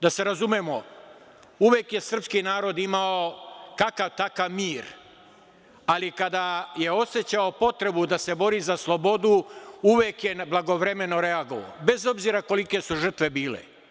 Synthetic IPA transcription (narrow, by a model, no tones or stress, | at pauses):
d̪ase̞ɾazumjemo | uʋjeːkje̞sr̩pskinaːɾo̞d̪imaokakaʋt̪akaʋmiːɾ | alikad̪aje̞o̞se̞t͡ɕaopo̞t̪ɾe̞bud̪ase̞bo̞ɾiːzaslˠo̞bo̞d̪uuʋjeːkje̞blˠaɡo̞ʋɾe̞me̞no̞ɾe̞aɡo̞ʋo̰be̞zo̞bziːɾako̞like̞suʒr̩t̪ʋe̞biːlḛ